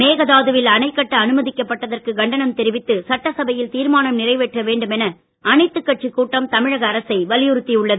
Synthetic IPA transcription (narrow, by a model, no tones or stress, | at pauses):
meːɣɐðaːðɯʋɪlɐnɐɪkːɐʈːɐːnɯmɐðɪkːɐpːɐʈːɐðɐrkɯɡɐɳɖɐnɐmt̪ɛɾɪʋɪt̪ːɯsɐʈːɐsɐbɐjɪlt̪iːɾmaːnɐmnɪrɐɪʋɛʈrɐʋeːɳɖɯmɛnɐ | ʔɐnɐɪt̪ːɯkːɐʈ̚t͡ʃikːuːʈːɐmt̪ɐmɪɻɐɣɐːɾɐsɐɪʋɐlɪjɯɾɯt̪ːiʊɭːɐð